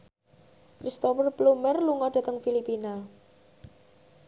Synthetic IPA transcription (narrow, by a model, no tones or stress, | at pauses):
kɾist̪ɔpərplumərluŋɔɖ̥ä̤t̪əŋfilipina